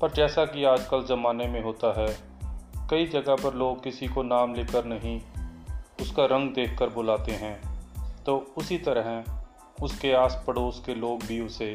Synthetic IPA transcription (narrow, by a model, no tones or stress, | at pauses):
pɐɾd͡ʒɛːsakiaːd͡ʒkəlzɐmaːnemẽɦoːt̪aɦɛː | kɐid͡ʒɐɡaɦpɐɾloːɡ̚kɪsikonaːmleːkəɾnɐɦĩ | ʊskaɾɐ̃ŋɡd̪eːkʰːəɾbʊlaːt̪eɦɛ̃ːt̪oːʊsit̪ɐɾɦɛ̃ | ʊskeaːspəɽoːskeloːɡbʱiʊseː